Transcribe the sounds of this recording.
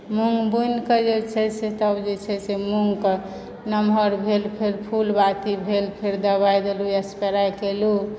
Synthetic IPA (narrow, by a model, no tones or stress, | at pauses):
muŋɡbujnkəd͡ʒet͡ʃʰɛset̪əbd͡ʒet͡ʃʰɛsemuŋɡk | nəmɦəɾbʱelpʰeɾpʰulbat̪ibʱelpʰeɾd̪əbajd̪eluəspeɾajkelu